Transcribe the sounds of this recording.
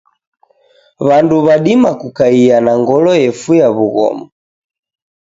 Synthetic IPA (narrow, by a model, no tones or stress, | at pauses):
βanduβaɗimakukaianaŋɡɔlɔjɛfujaβuɣɔ̰mɔ